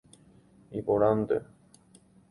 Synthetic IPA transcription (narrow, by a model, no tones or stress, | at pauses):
ipoɾand̪ḛ